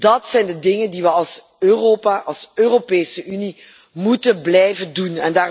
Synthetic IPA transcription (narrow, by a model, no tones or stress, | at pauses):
dɑtsɛjndədɪŋəndiʋəɑlˠs | øːroːpaːʔɑlˠsøːropeːsəʔyni | mutənblɛjvəndunɛndaː